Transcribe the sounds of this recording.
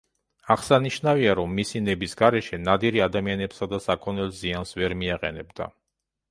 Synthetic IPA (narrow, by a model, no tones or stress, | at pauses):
aχsaniʃnaviaɾɔmːisinɛbisɡaɾɛʃɛnad̪iɾiad̪amianɛbsad̪asakʰɔnɛlziansvɛɾmiaqʼɛ̰nɛbd̪a̰